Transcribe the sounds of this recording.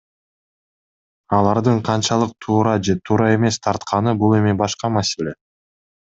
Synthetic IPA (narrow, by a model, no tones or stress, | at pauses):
ɑlˠɑɾd̪ɯɴqʰɑnt͡ʃɑlˠɯq̚t̪ʰuːɾɑd͡ʒe̞t̪ʰuːɾɑe̞me̞st̪ʰɑɾt̪qʰɑnɯbulˠe̞mibɑʃqɑmase̞lʲe̞